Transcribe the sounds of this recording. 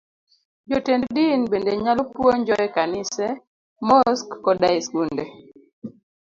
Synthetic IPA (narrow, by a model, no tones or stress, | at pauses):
d͡ʒɔtenddinbendeɲalɔpwoɲd͡ʒɔɛkanɪsɛ | mɔskːɔdaɪsɡunde